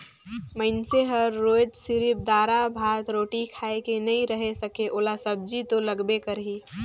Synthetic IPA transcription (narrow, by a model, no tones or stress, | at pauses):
məɪnseɦəɾːoːd͡ʒsɪɾɪp̚d̪aːɾabʱaːt̪ɾoːʈikʰaːekenəĩɾəɦesəkeʔoːlasəb̚d͡ʒit̪oləɡbekəɾɦiː